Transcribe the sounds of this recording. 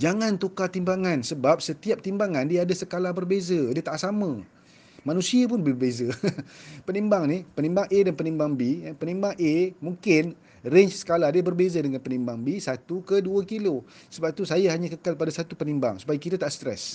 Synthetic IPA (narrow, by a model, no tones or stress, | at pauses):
d͡ʒaŋant̪ukat̪imbaŋansəbap̚sət̪iap̚t̪imbaŋãndiaadasəkalahbərbezədiət̪aʔsamã | manũsiap̬ʊnbəbəbeza | pənimbaŋnihpənimbaŋedanpənimbaŋbipənimbaŋʔemuŋkɪn | reɲt͡ʃsə̥kaladiəbərbezadəŋanpənimbaŋbisat̪ukəduəkilo | səbap̚t̪usajahaɲãkəkalpadasat̪upənimba̰ŋsu̥pajakit̪at̪aʔst̪ɾɛ̰s